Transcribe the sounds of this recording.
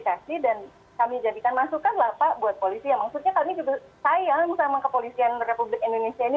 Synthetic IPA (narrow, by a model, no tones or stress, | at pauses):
ikasidan | kamid͡ʒadikanmasukanlapabuat̪̚polisianmaksut̪̚ɲakamit͡ʃut̪ʊsajamisamakəpolisianrepublɪkindonesiaini